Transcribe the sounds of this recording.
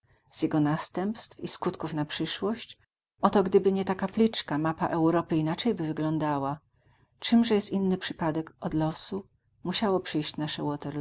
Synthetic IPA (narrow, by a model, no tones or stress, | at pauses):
z̥ʲjɛɡɔnast̪ɛmpst̪fiskut̪kufnapʂɘʂwɔɕt͡ɕ | ʔɔt̪ɔɡd̪ɘbɘɲɛt̪akaplʲit͡ʂkamapaʔɛwɾɔpɘinat͡ʂɛjbɘvɘɡlɔnd̪awa | t͡ʂɘmʐɛjɛst̪ʲinːɘpʂɘ̥pad̪ɛkɔd̪lɔsu | muɕawɔpʂɘjɕt͡ɕnaʂɛwɔt̪ɛɾ